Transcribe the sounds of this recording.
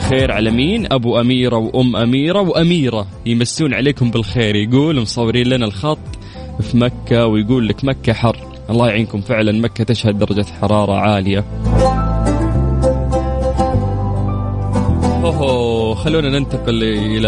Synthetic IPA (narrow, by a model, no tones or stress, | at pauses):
xeːɾʕalamiːnʔabuʔamiːɾawʔʊmːʔamiːɾawʔamiːɾa | jmasːuːnʕaleːkʊmbɪlxeːɾjɡuːlmʊsˤɑwːɪɾiːnlanalxɑt̪ˤː | fimakːawɪjɡuːlːakmakːaħɑrˤː | ʔɑlˤːɑːjaʕiːnkʊmfɪʕlanmakːat̪ɪʃhad̪̚dːɑɾˤɑd͡ʒaħɑɾˤɑːɾˤɑ̰ʕaːlɪja | ʔoɦoxalːuːnanɪnt̪ɑqɪl | ʔɪla